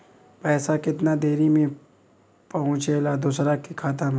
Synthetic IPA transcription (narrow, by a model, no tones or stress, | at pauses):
pɛːsakɪt̪nad̪eːɾimẽ | pɐɦʊ̃t͡ʃeːlad̪usɾakikʰaːt̪̬əm